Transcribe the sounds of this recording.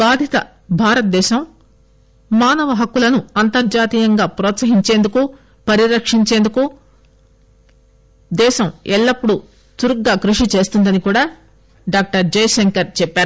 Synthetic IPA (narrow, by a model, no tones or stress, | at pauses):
baːd̪ʱit̪ɐ̰ | bʱaːɾɐt̪̚d̪ɛːʃɐm | maːnɐʋɐɦɐkːulɐnuɐnt̪ɐɾd͡ʒaːt̪iːjɐŋɡaːpɾɔːt̪sɐɦiɲt͡ʃe̞ːnd̪uku | pɐɾiɾɐkʂiɲt͡ʃe̞ːnd̪uku | d̪ɛːʃɐmɛɭːɐpːuɽu | suɾuɡːaːkɾuʂit͡ʃe̞ːst̪und̪ɐnikuːɽaː | ɖaːk̚ʈɐɾd͡ʒɐjʃɐŋkɐɾt͡ʃɛpːaːɾu